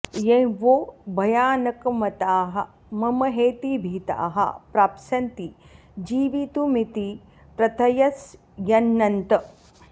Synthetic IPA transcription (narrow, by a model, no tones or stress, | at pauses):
jɐ̃ʋobʱɐjaːnɐkɐmɐt̪aːɦɐ̰ | mɐmɐɦeːt̪ibʱiːt̪a̰ːɦɐ̰pɾaːpsɐnt̪i | d͡ʒiːʋit̪umit̪i | pɾɐt̪ʰɐjɐs | jɐnːɐnt̪ɐ